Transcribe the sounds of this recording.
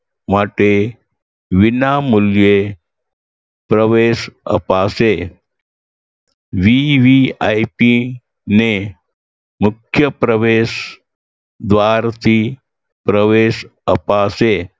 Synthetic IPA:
maʈe | ʋinamulje | pɾəʋeːsə̰paːse | ʋiʋiaipi | ne | mukʰjəpɾəʋeːs | d̪ʋaːɾt̪i | pɾəʋeːsə̰paːse

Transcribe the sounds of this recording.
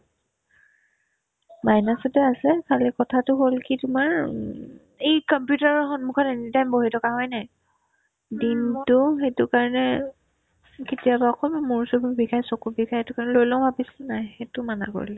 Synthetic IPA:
majnasɔtɛasɛkʰalikɔtʰatʊɦolkitʊmaɹ | ejkɔmpjutaɹɔxɔnmukʰɔtenitajmboɦitʰɔkaɦɔjnaj | dintʊxetʊkaɹɔnɛ | ketijabaɔkʰɔlmamuɹsububikʰajsokubikʰajetʊkaɹnɛlojlɔ̃bʱapisilnajxetʊmana̰ko̰ɹilɛ

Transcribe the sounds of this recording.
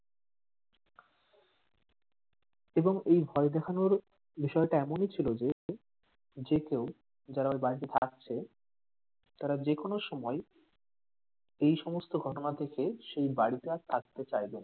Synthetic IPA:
eboŋejbʱɔed̪ɛkʰanoɾ | biʃɔeʈaɛmonit͡ɕʰilod͡ʑe | d͡ʑekew | d͡ʑaɾabaɽit̪et̪ʰak̚t͡ɕʰe | t̪aɾad͡ʑekonoʃɔmɔe | ejʃɔmost̪oɡʱɔʈonat̪ʰekeʃejbaɽit̪at̪ʰak̚t̪et͡ɕajben

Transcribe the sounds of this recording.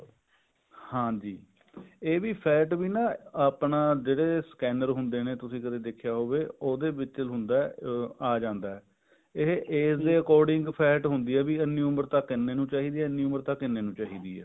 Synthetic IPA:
hãːd͡ʒiː | eːʋiːpʰɛːʈbiːnãːaːpnaːd͡ʒeːɽeːskɛːnəɾɦʊnd̪eːneːt̪ʊsĩːkəd̪eːd̪ɪkʰːjaːɦoːʋeːoːd̪eːbɪt͡ʃəlɦʊnd̪aːɛaːd͡ʒãːnd̪aːɛː | ɪɦʔeːsd̪eːəkɔːɾɖɪŋɡpʰɛːʈɦʊnd̪iːɛːbiːənːiːʊməɾt̪aːkːɪnːeːnũːt͡ʃaːɦiːd̪iːɛːənːiːʊməɾt̪aːkːɪnːeːnũːt͡ʃaːɦiːd̪ḭːɛ̰ː

